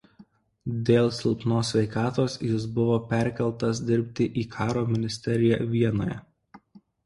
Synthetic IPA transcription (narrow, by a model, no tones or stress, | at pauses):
d̪ʲeːlˠsʲɪlˠpnoːsʲʋʲɛɪkɑːt̪oːsjɪs̬bʊʋoːpʲɛɾʲkʲɛlˠˑt̪ɐsd̪ʲɪɾʲpʲt̪ʲɪʔiːkʰɑːɾoːmʲɪnʲɪsʲt̪ʲɛɾʲɪjɛʋʲiɛno̰ːjɛ̰